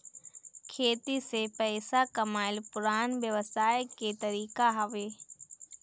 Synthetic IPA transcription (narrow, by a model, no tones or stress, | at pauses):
kʰeːt̪isepɛːsakɐmaːɪlpʊɾaːnʋjəʋəsaːjket̪ɐɾiːkaɦɐʋeː